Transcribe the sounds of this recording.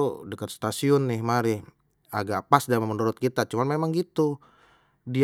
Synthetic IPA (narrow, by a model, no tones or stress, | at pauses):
dəkət̪̚st̪asiʊnːɪhmaɾɪ | aɡapasdamamənuɾʊt̪̚kit̪at͡ʃumanmemaŋɡit̪u | di